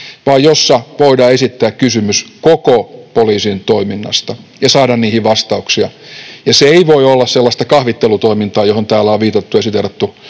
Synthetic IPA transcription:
ʋɑːjjosːɑʋoidɑːesit̪ːæːkkysymyskokopoliːsint̪oiminːɑ̰st̪ɑjɑsɑːdɑnniːhiʋɑst̪ɑuksiɑjɑseeiʋoiolːɑsselːɑst̪ɑkɑhʋit̪ːelut̪oimint̪ɑːjohont̪æːlːæoʋʋiːt̪ɑt̪ːuesit̪ert̪ːu

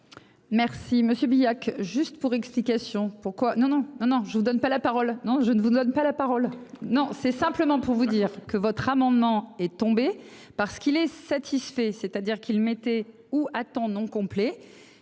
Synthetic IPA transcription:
mɛʁsiməsjøbijakʒyst̪puʁɛksplikasjɔ̃puʁkwanɔ̃nɔ̃nɔ̃nɔ̃ʒəvud̪ɔnpalapaʁɔlnɔ̃ʒənəvud̪ɔnpalapaʁɔlnɔ̃sɛsɛ̃pləmɑ̃puʁvud̪iːʁkəvɔt̪χamɑ̃d̪mɑ̃ɛt̪ɔ̃be | paʁsə̥kilɛsat̪ʰisfɛset̪ad̪iʁkʲilmet̪ɛ | uat̪ɑ̃nɔ̃kɔ̃plɛ

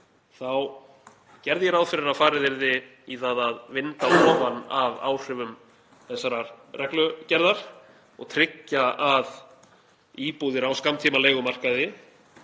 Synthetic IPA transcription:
θaw | cɛɾðjɛɾawðfɪɾɪɾafaːɾɪðɪɾðɪ | iθaðaðvɪnt̪aɔːvanːava̰ːwr̥ɪvʏm | θɛsːaɾarɛklʏcɛɾðaɾ̥ | ɔ̰ɣt̪ʰɾɪcːaað | iːpuðɪɾawskamt̪ʰiːmaleːjɣʏmar̥kaðɪ

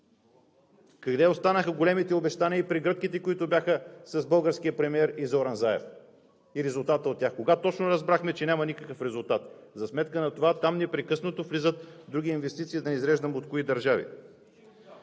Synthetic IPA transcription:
kɐɡd̪ɛost̪anəxəɡolɛmit̪ɛobɛʃt̪aniəipɾiɡɾɤt̪kit̪ɛkʊit̪ʊbʲjaxəsɐzbɤlˠɡəɾskiəpɾɛmiɛɾizoɾanzaɛ̰f | iɾɛzʊlˠt̪at̪əot̪ːʲjaxkoɡat̪ɔt͡ʃnoɾɐzbɾaxmɛt͡ʃɛnʲamɐnʲikəkəfɾɛzʊlˠt̪at̪zɐsmɛt̪kənɐt̪ovat̪amnɛpɾɛkɤsnot̪oflizət̪d̪ɾuɡ̟ʲiinvɛst̪it̪siːd̪ɐnɛizɾɛʒd̪əmot̪koid̪ɐɾʒavḭ

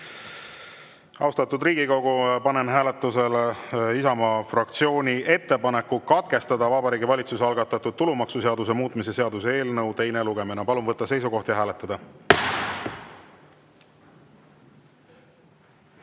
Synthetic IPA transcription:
ɑwst̪ɑt̪ːud̪riːɡ̥iko̞ɡupɑnenɦæːle̞t̪ːˑuse̞lisɑmɑfrɑk̚t̪sio̞ːnʲiʔe̞t̪ːe̞pɑne̞kːukɑt̪̚ke̞st̪ɑd̪ɑvɑbɑɾiːɡivɑlʲit̪suseɑlɡɑt̪ːˑɑt̪ːˑud̪̚t̪ːulumɑksuse̞ɑd̪us̬e̞muːt̪ːˑmise̞seɑd̪usee̞ːlnɤwt̪e̞jneluɡ̥e̞minɑpɑlumvɤt̪ːɑse̞js̬uko̞ht̪jɑɦæːlet̪ːˑɑd̪̥ɑ

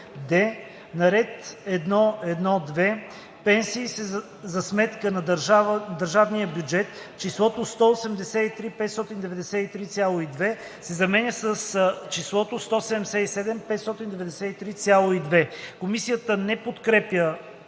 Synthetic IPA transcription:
d̪ɛ | nɐɾɛt̪ɛd̪nɔɛd̪nɔd̪vɛ | pɛnsiːsɛ | zɐsmɛt̪kənɐd̪ɾavd̪əɾʒavniəbʲjud͡ʒɛt̪t͡ʃislˠɔt̪ost̪ɔosɛmd̪ɛsɛit̪ɾipɛt̪st̪ɔt̪ind̪ɛvɛd̪ɛsɛit̪ɾit̪sʲjalˠoid̪vɛ | sɛzɐmɛnʲəsəst͡ʃislˠɔt̪ost̪ɔsɛd̪ɛmd̪ɛsɛisɛd̪ɛmpɛt̪st̪ɔt̪ind̪ɛvɛd̪ɛsɛit̪ɾit̪sʲjalˠoid̪vɛkomisijət̪ənɛpot̪kɾɛpjə

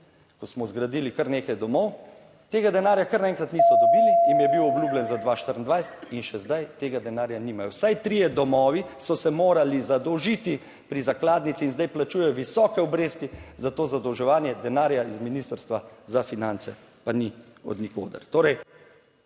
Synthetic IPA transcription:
kɔsmɔzɡɾad̪iːlikəɾneːkajd̪ɔmɔw | t̪eːɡad̪ɛnaːɾjakəɾnaɛ̃ŋkɾat̪nisɔd̪ɔbilijimjɛbiwɔbluːblɛnzad̪ʋaːʃt̪əɾn̩d̪ʋajsɛ̥t̪inʃɛzd̪ajt̪eːɡad̪ɛnaːɾjanimajɔwsajt̪ɾijɛd̪ɔmɔːʋisɔsɛmoːɾalizad̪ɔwʒit̪i | pɾizaklaːd̪nit̪siːnzd̪ajplat͡ʃuːjɛjɔʋisɔːkɛɔbɾeːst̪izat̪oːzad̪ɔwʒɛʋaːnjɛd̪ɛnaːɾjaizminist̪əɾst̪ʋazafinansɛ̰ | pani | ɔ̰d̪niko̰ːd̪ɐ̰ɾt̪oːɾɛj

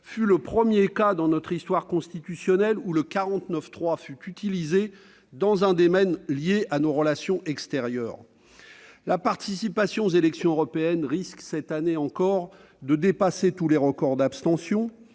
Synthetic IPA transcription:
fyləpχəmjekad̪ɑ̃nɔt̪χist̪waʁkɔ̃st̪it̪ysjɔnɛluləkaʁɑ̃t̪nəft̪χwafyt̪yt̪ilize | d̪ɑ̃zɛ̃d̪emɛnljeʔanoʁəlasjɔ̃ʔɛkst̪eʁjœ̰ːʁ | lapaʁt̪isipasjɔ̃zelɛksjɔ̃øʁɔpeɛnʁisksɛt̪aneɑ̃kɔʁ | d̪əd̪epaset̪uleʁəkɔʁd̪apst̪ɑ̃sjɔ̃

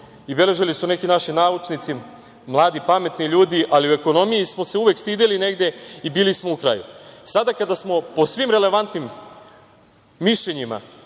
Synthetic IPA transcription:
ibe̞le̞ʒilisune̞kinaʃinaːut͡ʃnit̪si | mlˠaːd̪ipame̞t̪niʎuːd̪iʔaliue̞ko̞no̞mijismo̞se̞uʋekst̪iːd̪eline̞ɡd̪e̞ibiːlismoukɾa̰jṵsad̪akad̪asmo̞po̞sʋimɾele̞ʋant̪nim | iʃlʎeɲima̰

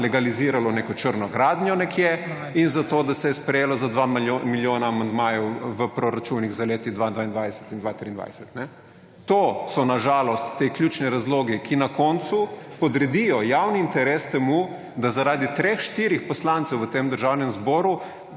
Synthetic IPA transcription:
lɛɡaliziːɾalɔnekɔt͡ʃəɾnɔɡɾaːd̪nʲjɔnɛkjɛ | inzat̪oːd̪asɛjɛspɾɛjeːlɔzad̪ʋamiljoːnaːmand̪maːjɛwʋəpɾɔɾat͡ʃunːiɣzaleːt̪id̪ʋad̪ʋaind̪ʋajd̪ɛsɛ̥t̪ind̪ʋat̪ɾiːnd̪ʋa̰jsɛt̪nɛ | t̪osɔnaʒaːlɔst̪ːekljut͡ʃniɾazloːɡɛkʰinakɔnt̪supɔd̪ɾɛd̪ijɔjawniːnt̪ɛɾeːst̪ɛmu | d̪azaɾaːd̪it̪ɾexʃt̪iːɾixpɔslant̪sɛwʋət̪emd̪əɾʒaːwnɛmzbɔːɾu

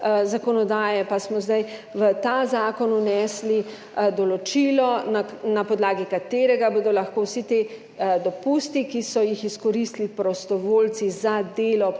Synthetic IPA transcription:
zakɔnɔd̪aːjɛpasmɔzd̪ajʋət̪aːzaːkɔnunɛːsli | d̪ɔlɔt͡ʃiːlɔnanapɔd̪laːɡikat̪eːɾɛɡaboːd̪ɔlaxkowsit̪e | d̪ɔpust̪ikisɔjixiskɔɾist̪lipɾɔst̪ɔʋoːlsizad̪eːlɔ

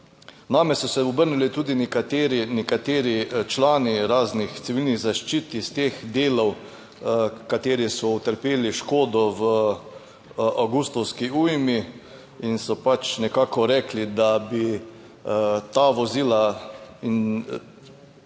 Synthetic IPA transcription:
naːmɛsɔsɛɔbəɾnulit̪uːd̪inkat̪eːɾinɛkat̪eːɾit͡ʃlaːniɾaːznixt̪siʋilniɣzaʃt͡ʃiːt̪ist̪eːxd̪eːlɔw | kat̪eːɾisɔut̪əɾpeːliʃkoːd̪ɔʋə | awɡust̪ɔwskiuːjmi | insɔpat͡ʃnɛkaːkɔɾɛːklid̪abi | t̪aːʋɔziːlain

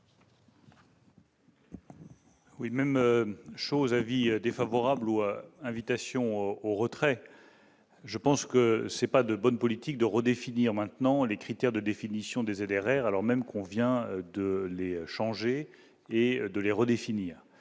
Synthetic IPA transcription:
wimɛmʃozavid̪efavɔʁabluɛ̃vit̪asjɔ̃oʁət̪χɛ | ʒəpɑ̃skəsɛpad̪əbɔnpɔlit̪ik̚d̪əʁəd̪efiniʁmɛ̃t̪nɑ̃lekχit̪ɛʁd̪əd̪efinisjɔ̃d̪ezed̪ɛʁɛʁalɔʁmɛmkʰɔ̃vjɛ̃d̪əleʃɑ̃ʒeː | d̪əleʁəd̪efiniːʁ

